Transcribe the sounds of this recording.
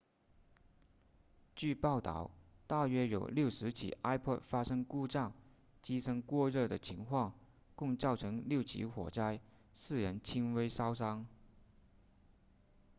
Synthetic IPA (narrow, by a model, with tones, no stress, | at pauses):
t͡ɕy˥˧pɑ˥˩ʊt̪ɑ̰˥˩ʊt̪a˥˩ɥɛ˥jo˨˩ʊljo˥˩ʊʂɻ̩˧˥t͡ɕʰḭ˨˩ʔa˥ɪpʰɔ˥˩t̚fa˥ʂɤ˥ŋku˥˧ʈ͡ʂɑ˥˩ŋ | t͡ɕi˥ʂɤ˥ŋkwɔ˥˧ɻɤ˥˩d̪ə˩t͡ɕʰi˧˥ŋkʰwɑ˥˧ŋ | kʊ˥˧ŋt͡sɑ˥˩ʊʈ͡ʂʰɤ˧˥ŋljo˥˩ʊt͡ɕʰḭ˧˥xwɔ̰˨˩ʈ͡ʂa˥˧ɪ | sɹ̩˥˩ɻə˧˥nt͡ɕʰi˥nwe˥ɪsɑ˥ʊs̬ɑ˥ŋ